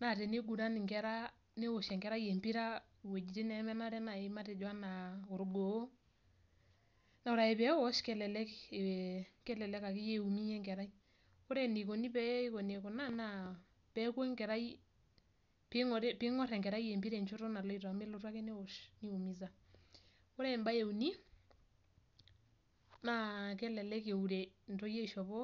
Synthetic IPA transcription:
na˨te˨ne˦ɡu˨ɾa˦ni˨ŋkɛ˦ɾa˦ | ne˦wo˨ʃɛ˨ŋkɛ˨ɾa˦je˨mpi˦ɾa˦˨ | we˨d͡ʒi˨ti˦nɛ˨˦mɛ˦na˦ɾɛ˦na˨e˨˦ma˦tɛ˨d͡ʒo˨a˦na˨ʊ˨ɾɡo˨˦ | na˨ʊ˨ɾa˨e˨pɛ˨˦wɔ˦ʃkɛ˨lɛ˨lɛ˦ke˨kɛ˦lɛ˨lɛ˦ka˨ki˦je˦u˨mi˦jɛ˦ŋkɛ˨ɾa˦i˦ | ko˦ɾe˨ni˨ko˨ni˦pɛ˦i˦ko˨ne˨ko˨na˦˨na˨ | pɛ˨˦kwe˦ŋkɛ˨ɾa˦i˦ | pɪ˦ŋɔɾpɪ˦ŋɔ˦ɾɛ˨ŋɡɛ˨ɾa˦i˦e˨mbi˦ɾe˨nt͡ʃʊ˦ɾɔ˦na˨lɔ˦i˨ta˨me˦lo˦rwa˦ke˦ne˦wɔ˨ʃni˦u˨mi˦za˦ | ko˦ɾɛ˦˨mba˦je˨u˨ni˦ | na˦kɛ˦lɛ˨lɛ˦ke˨u˨ɾe˨ntɔ˦je˦˨ʃɔ˨βɔ˦

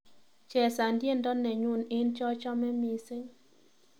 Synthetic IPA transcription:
t͡ʃɛ˨sa˨ndje˦˨ndɔ˦nɛ˨ɲu˦nɪ˦nt͡ʃɔ˦t͡ʃɔ˦mɛ˦mi˨sɪ˦

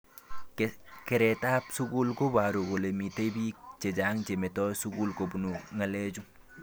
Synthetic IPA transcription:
kɪ˨ɾɛ˨ta˦psu˦ku˦lko˦ba˨ɾo˨ɡo˨lemite˦bi˦t͡ʃe˨d͡ʒa˦ŋt͡ʃe˨me˨tɔ˦jsuɡu˦lko˨bu˨nuŋɐ˨le˦d͡ʒu

